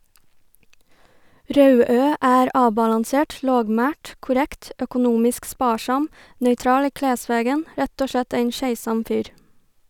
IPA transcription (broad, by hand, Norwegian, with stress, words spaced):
ˈɾɑʉˌøː ˈæːɾ ˈɑːbɑlɑnˌseːʈ ˈloːɡˌmæːʈ kʊˈɾɛkt œkʊˈnuːmɪsk ˈspɑːˌʃɑm nœʏˈtɾɑːl ˈiː ˈkleːˌsʋeːɡən ˈɾɛt ˈoː ˈʃɭɛt ˈeɪn ˈʃæɪˌsɑm ˈfyːɾ